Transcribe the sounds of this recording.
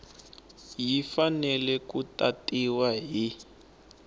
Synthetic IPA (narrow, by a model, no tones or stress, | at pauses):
jifanɛlɛkutatiwaɦi